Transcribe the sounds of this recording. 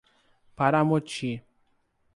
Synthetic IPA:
pʰaɾamot͡ʃʰi

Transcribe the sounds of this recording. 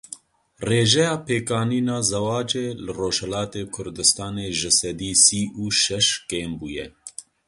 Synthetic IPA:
reːʒɛjɑːpʰeːkɑːniːnɑːzɛwɑːt͡ʃeːlɨroːʒhɛlɑːt̪eːkʰʊɾd̪ɨst̪ɑːneːʒɨsɛd̪iːsiːuːʃɛʃkeːmbuːjɛ

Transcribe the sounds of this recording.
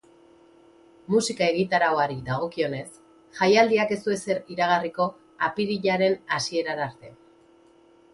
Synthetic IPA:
musikae̞ɣ̞it̪aɾaoaɾiðaɣ̞o̞kio̞ne̞s | xajald̪iake̞sue̞se̞ɾiɾaɣ̞ariko̞ | apiɾiʎaɾe̞nasie̞ɾanaɾt̪e̞

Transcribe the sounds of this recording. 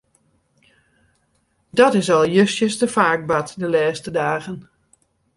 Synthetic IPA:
dɔtɪsɔlˠjøsjəsdəfaːk̚batdəlɛːstədaːɣən

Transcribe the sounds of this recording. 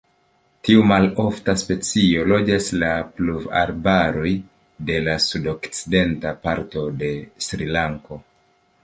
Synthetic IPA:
tiumalo̞ftaspe̞t͡sio̞lo̞d͡ʒaslapluva̰ɾbaɾo̞j | de̞lasudo̞kt͡side̞ntapaɾto̞de̞sɾilaŋko̞

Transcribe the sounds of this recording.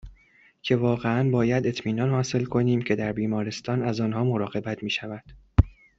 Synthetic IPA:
cʰe̞vɒːɣeænbɒːjæd̪e̞t̪ʰmiːnɒːnhɒːse̞lkʰo̞niːmcʰe̞d̪æɾbiːmɒːɾe̞st̪ɒːnæzɒːnɦɒːmo̞ɾɒːɣe̞bæt̪ʰmiːʃævæd̪̥

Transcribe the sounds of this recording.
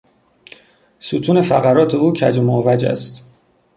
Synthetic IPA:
suːt̪ʰuːne̞fæɣæɾɒːt̪ʰe̞uːcʰæd͡ʒemovæd͡ʒæ̰st̪

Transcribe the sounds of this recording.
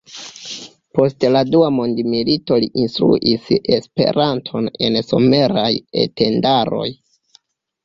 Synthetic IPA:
po̞stladuamondimilito̞liʔinst̪ɾṵʔise̞spe̞̰ɾantʰo̞ne̞̰nso̞me̞ɾaje̞̰tʰe̞ndaɾo̞̰j

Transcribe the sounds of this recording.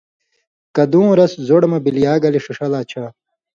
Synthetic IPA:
kɐd̪ũːɾɐszoɽmɐbiljaːɡɐliʂuʂɐlaːt͡ɕʰa

